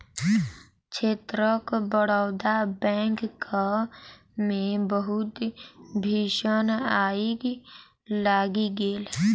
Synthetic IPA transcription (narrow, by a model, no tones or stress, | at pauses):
t͡ʃʰeːt̪ɾəkbəɽawd̪abɛ̃ːŋkk | mẽbəɦʊt̪bʱiːʃənaːiɡ | laːɡiɡeːl